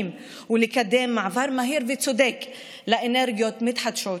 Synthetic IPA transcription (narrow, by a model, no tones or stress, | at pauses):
m | wɪlikad̪ːeːmːaʕvɑɾˤmaɦiːɾvit̪sʊd̪eːk | laʔɪnɛɾɡjot̪mɪt̪ħat̪ʃoː